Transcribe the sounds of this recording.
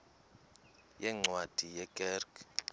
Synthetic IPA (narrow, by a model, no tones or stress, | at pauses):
jɛŋ͡ǀwad̥ʱijɛɡ̥ʼɛrɡ